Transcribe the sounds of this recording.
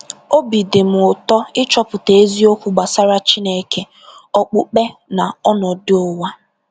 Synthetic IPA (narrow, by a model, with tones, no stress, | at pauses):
o˦bi˨dɪ˨m̩˨ʊ˨tɔ˦ɪ˦t͡ʃɔ˦pʊ˨te˨e˦zi˦o˦kʷu˦ɡ͡ba˨sa˦ɾa˦t͡ʃi˦ne˨kʰe˦ | ɔ˦k͡pʊ˦k͡pe˦na˨ɔ˦nɔ˨dɪ˦ʊ˦wa˦